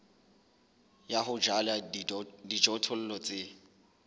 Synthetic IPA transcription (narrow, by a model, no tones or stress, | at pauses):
jaɦʊd͡ʒaladid͡ʒɔtʰʊl̩lɔt͡sʼɪ